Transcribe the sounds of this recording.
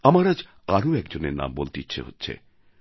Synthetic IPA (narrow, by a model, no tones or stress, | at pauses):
amaɾad͡ʑ | aɾoɛkd͡ʑoneɾna̰mbolt̪itːɕʰḛɦotːɕʰḛ